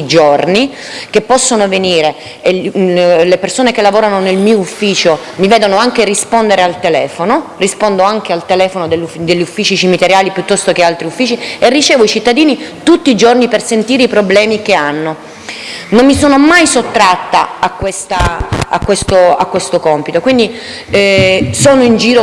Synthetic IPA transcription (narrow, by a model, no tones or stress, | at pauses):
id͡ʒorni | kepːɔsːonoveniːɾe | lepersoːnekelːavoːɾanonelmiːoufːiːt͡ʃo | mivɛːd̪onoaŋkerispond̪eɾealt̪elɛːfonorispond̪oaŋk̟ealt̪elɛːfonod̪elːud̪eʎːufːiːt͡ʃit͡ʃimit̪eɾjaːlipjut̪ːɔst̪ok̟ealt̪ɾiufːiːt͡ʃierːit͡ʃɛːvoit͡ʃit̪ːad̪iːnit̪ut̪ːiːd͡ʒornipersent̪iːɾeipɾoblɛːmikeanːo | nomːisoːnomajsot̪ːɾat̪ːaakːwest̪aa̰kːwest̪oakːwest̪okɔmpit̪okwind̪i | soːnoind͡ʒiːɾo